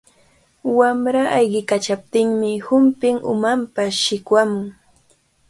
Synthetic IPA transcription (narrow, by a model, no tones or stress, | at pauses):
wamɾaʔajɢɪkat͡ʃap̚t̪ɪŋmɪhʊmpɪŋʊ̰mampaʃɪkwamʊŋ